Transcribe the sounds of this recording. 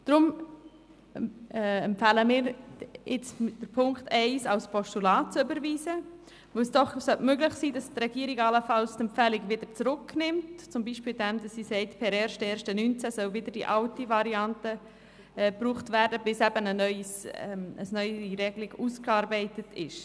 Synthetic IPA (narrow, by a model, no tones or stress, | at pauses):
d̪̥ɾʊm | ɛmpfɛləmɪːɾɪt͡sd̥əɾpʰʊŋkχtɛɪsɑlspʰɔʃtulɑːtt͡sʏbəɾviːzə | ʋosd̥ɔχsœltmøɡlɪχsiːdɑstrɛɡ̥iːəɾiɡɑləfɑlstɛmpfɛlɪɡvɪdəɾt͡sɾʊknɪmtt͡sʊmbiːʃpiːldɛmdɑsːisɛɪtpʰɛɾɛːɾʃtɛːɾʃtənynt͡sæsœlvɪdəɾd̥ḭʔɑltivɑɾiɑntə | ɛbruːχtvæːɾdəb̥ɪsɛbənənœʏsɛməsnœʏiɾɛɡliɡuːskɑːɾbɛɪtətʰɪ̰ʃ